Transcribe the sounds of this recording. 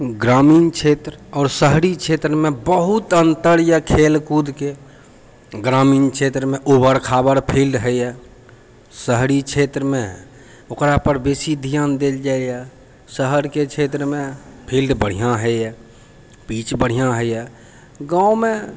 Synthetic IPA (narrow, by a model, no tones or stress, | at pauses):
ɡɾaːmiːnt͡ʃʰet̪ɾəɔːɾsəɦɽit͡ʃʰet̪ɾəmẽbəɦut̪ənt̪əɾjəkʰelkud̪ke | ɡɾaːmiːnt͡ʃʰet̪ɾəmẽʔobəɾkʰabəɾpʰilɖɦəɛ | səɦɽit͡ʃʰet̪ɾəmẽ | okɾapəɾbesid̪ʱijand̪eld͡ʒajɛ | səɦəɾket͡ʃʰet̪ɾmẽpʰilɖbəɽ̤ijãɦəjɛ | pit͡ʃbəɽ̤ijãɦəɛ | ɡãːome